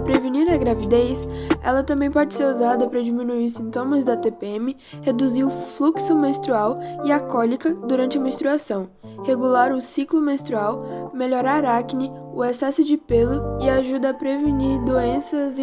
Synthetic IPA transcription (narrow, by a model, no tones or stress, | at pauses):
pɾeveniɾɐɡɾavid̪ejsɛ̰lɐt̪ɐ̃mbẽj̃pɔd͡ʒɪseɾuzad̪ɐpɾɐd͡ʒimĩnuiɾsĩnt̪õmɐzd̪ɐt̪epeẽmɪ | hed̪uziɾʊfluksʊmẽst̪ɾuawɪakɔlikɐd̪uɾɐ̃nt͡ʃɪɐmẽst̪ɾuasɐ̃w̃ | heɡulaɾʊsiklʊmẽst̪ɾuawmeʎoɾaɾaknɪ | ʊesɛsʊd͡ʒɪpelʊɪaʒud̪ɐːpɾeviniɾd̪oẽsɐz̃